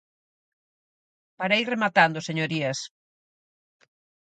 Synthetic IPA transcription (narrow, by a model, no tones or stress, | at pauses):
paɾairemat̪and̪ʊseɲoɾiɐs